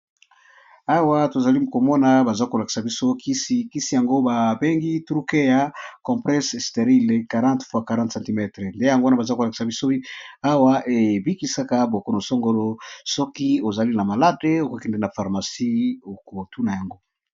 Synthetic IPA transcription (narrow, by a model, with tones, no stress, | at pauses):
a˦wa˦to˨za˨li˦ko˨mɔ˦na˦ba˨za˦ko˨la˨ki̥˨sa˨bi˦so˦ki˦si˦ki˦si˦ja˨ŋɡo˦ba˨be˦ŋɡi˦tʁu˦ke˦ja˨kɔ̃˨plɛ˦sste˨ʁi˦le˨ka˨ʁã˦tfwa˦ka˨ʁã˦tsã˨nti˨mɛ˦˨tʁe˨nde˦ja˨ŋɡo˦na˦ba˨za˦ko˨la˨ki̥˨sa˨bi˦so˦a˦wa˦ʔe˨bi˦ki˨sa˦ka˦bo˨ko˦no˨so˦ŋɡo˦lo˦sɔ˦ki˦o˨za˨li˦na˨ma˨la˦de˦o˨ko˦ki˦nde˦na˨fa˨ʁma˨si˦o˨ko˨tu˦na˨ja˨ŋɡo˦